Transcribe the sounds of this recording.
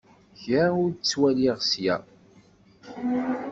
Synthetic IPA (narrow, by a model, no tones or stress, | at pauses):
çaʊɾt͡sːwæliʁsjæ̰